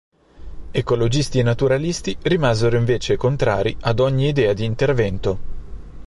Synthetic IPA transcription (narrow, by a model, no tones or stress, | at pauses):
ekolod͡ʒist̪inat̪uɾalist̪irimaːzeɾoiɱveːt͡ʃekont̪ɾa̰ːɾiʔad̪ɔɲːiːd̪ɛːad̪iːnt̪ervɛnt̪o